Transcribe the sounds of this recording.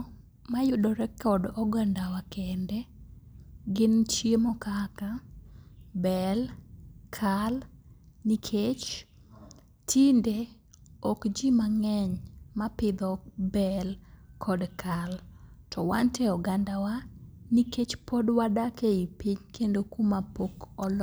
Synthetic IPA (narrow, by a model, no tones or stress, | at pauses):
majʊdɔɾɛkɔdɔɡandawakɛndɛ | ɡɪnt͡ʃjemɔkaka | bɛlkʰalnikʰet͡ʃ | tʰinde | ɔkd͡ʒimaŋɛɲmapɪd̪ɔbɛlkʰɔdkʰaltʰɔwa̰ntɛɔɡandawaniket͡ʃpɔdwadakeipiɲkendokumapokɔl